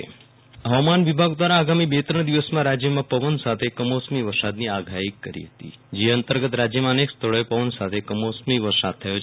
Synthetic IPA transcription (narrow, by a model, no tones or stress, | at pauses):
ḛ | ɦəʋamanʋibʱaɡd̪ʋaɾaːɡamibet̪ɾəɳ̃d̪iʋəsmãɾad͡ʒjəmãpəʋənsat̪ʰekəmosmiʋəɾsad̪niaɡʱaikːəɾḭɦət̪ḭd͡ʒeənt̪əɾɡət̪ɾad͡ʒjəmãənekst̪ʰəɭəepəʋənsat̪ʰekəmosmiʋəɾsad̪̚t̪ʰːəjot͡ʃʰ